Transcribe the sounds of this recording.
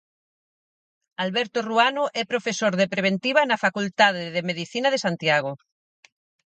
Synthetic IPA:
alβɛɾt̪oruanoʔɛpɾofesoɾðepɾeβ̞ẽnt̪iβanafakult̪aðeðemeðiθinað̞esant̪jaɣ̞o

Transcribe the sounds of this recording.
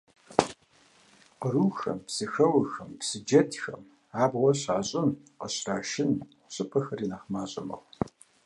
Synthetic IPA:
qəɾuːxɐ̰mpsɨxɐwʊxɐmpsɨd͡ʒɐtʰxɐ̰m | aːbʁʷɔɕaːɕʼɪmqəɕraːʃɪn | ɕʼɨpʰʼɐxɐriːnaχmaːɕʼɐmɐ̰ʁ

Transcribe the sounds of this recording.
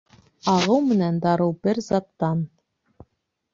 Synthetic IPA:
ɑʁɤwmɘ̆nænd̪ɑɾɤwbɘɾzɑt̪ːɑn

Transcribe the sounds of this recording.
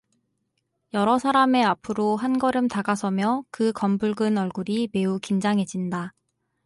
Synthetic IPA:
jʌɾʌsʰaɾame̞apʰɯɾoɦanɡʌɾɯmtaɡasʰʌmjʌkɯkʌmbuɭɡɯnʌɭɡuɾime̞ukind͡ʑaŋɦe̞d͡ʑinda

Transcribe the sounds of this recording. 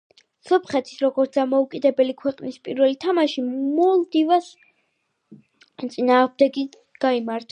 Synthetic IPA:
sɔpʰχɛt̪ʰi̥sɾɔɡɔɾt̪sd̪amɔukʼid̪ɛbɛlikʰwɛqʼnispʼiɾvɛlit̪ʰamaʃimɔlˠd̪ivas | t̪sʼinaːʁmd̪ɛɡi | ɡ̥aimaɾt̪ʰa

